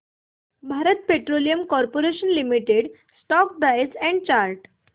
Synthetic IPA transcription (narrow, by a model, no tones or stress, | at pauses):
bʱaɾət̪̚peʈɾolijəmkɔɾpoɾeɕənlimiʈeɽ | sʈɔk̚bajd͡zɛ̃ɳɖ̚t͡ɕaɾʈ